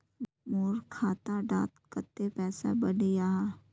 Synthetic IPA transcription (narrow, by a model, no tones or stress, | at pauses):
moːɾkʰaːt̪aɖaːt̪kət̪ːepɛːsa̰bəɽijaːɦ